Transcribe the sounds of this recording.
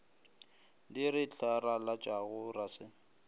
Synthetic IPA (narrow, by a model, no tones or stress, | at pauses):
diɾɪt͡ɬʰaɾalat͡ʃʼaɣʊrasɪ